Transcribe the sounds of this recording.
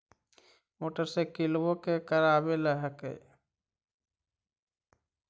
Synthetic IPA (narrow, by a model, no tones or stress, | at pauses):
moːʈəɾsekilbokekəɾabeləɦəkḛ